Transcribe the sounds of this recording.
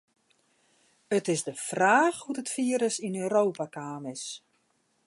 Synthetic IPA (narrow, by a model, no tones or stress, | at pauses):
ətɪzdəfraːxhudətfiːəɾəsinøːɾoːpakaːmɪs